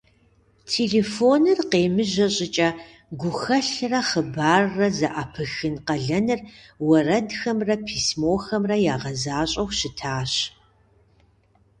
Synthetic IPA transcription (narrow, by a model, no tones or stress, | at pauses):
tʰeːɮeːfoːnɨrqeːmɨʑɐɕʼɪt͡ʃʼɐ | ɡʷʊxɐɬrɐχəbaːrːɐzɐʔapʰɨxɨnqɐɮɐnɨrwɐrɐdxɐmrɐpʰiːsmoːxɐmrɐjaːʁɐzaːɕʼɐwɕɪtʰaːɕ